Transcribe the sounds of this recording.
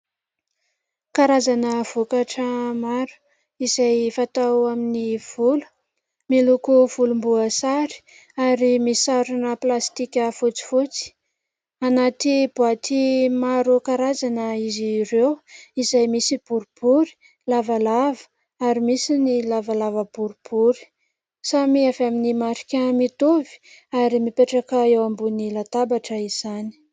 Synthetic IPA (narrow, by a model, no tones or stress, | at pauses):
kaɾazanəv̥okaʈ͡ʂəmaɾu̥ | izajfat̪awaminiv̥ulu̥ | milukuv̥ulumbuəsaɾi̥ | aɾimiaɾunəplast̪ikʲəfut͡si̥fut͡si̥ | anat̪ib̥uat̪ʰimaɾukaɾazanəizirewizajmisib̥uɾub̥uɾi̥ | lavalavə̥ | aɾimisinilavalavəb̥uɾub̥uɾi̥ | samiavaminimaɾi̥kʲəmit̪ovi̥aɾimipeʈ͡ʂakəewambunilat̪abaʈ͡ʂəiz̥ani̥